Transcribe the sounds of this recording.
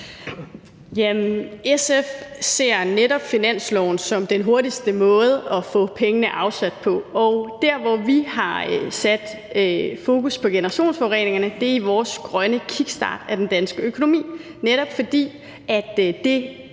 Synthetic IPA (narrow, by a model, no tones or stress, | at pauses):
jæmesefse̝ɐ̰neɾɒ̽b̥finæn̰slɒʊn̩sɒ̽md̥enɦo̝ɐdisd̥əmɔ̽ːð̞̩ˠɒ̽fɔ̰̽ːpʰeŋənəʔɑ̈ʊsæd̥̚pʰɒ̽ɒʊd̥æɐ̰ʋɒʋihɑ̈sæd̥ | fo̝ːkʰuspʰɒ̽ɡ̥e̝nɐʁɑ̈ɕo̝̰ːnsfɒʊʁḛːne̝ŋɐnəd̥e̝ɐiʋɒːsɡ̥ʁɶnəkʰiɡ̥sd̥ɑ̰̈ːd̥æd̥end̥ænsɡ̥əøkʰo̝no̝mḭː | neɾɒ̽b̥fɒ̽d̥ḭː | æd̥e̝